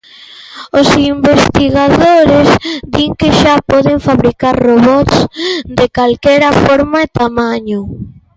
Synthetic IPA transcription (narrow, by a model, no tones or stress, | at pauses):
osimbest̪iɣaðoɾɪzd̪iŋkeʃapɔðɪɱfaβɾikaɾroβɔt̪sd̪ekalkɛɾɐfɔɾmaet̪amaɲʊ